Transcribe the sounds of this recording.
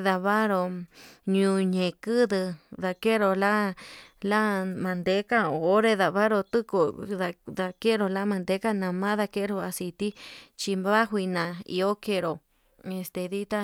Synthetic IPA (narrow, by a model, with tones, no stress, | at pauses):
ða˧βa˦ɾo˧ɲũ˧ɲẽ˨kɨ˦ðɨ˧ða˧ke˦ɾo˧la˦la˦mã˧nd̪e˧˦ka˦o˨˦ɾe˧ða˧βa˦ɾo˧t̪ɨ˦ko˧ða˧ða˧ke˦ɾo˧la˦mã˧nd̪e˧˦ka˦nã˧mã˦ða˧ke˦ɾo˧a˧si˧˨t̪i˦t͡ʃi˧βa˦ɦʷi˧nã˨ḭ˧o˦ke˧ɾo˨ | e˧st̪e˨ði˦t̪a˦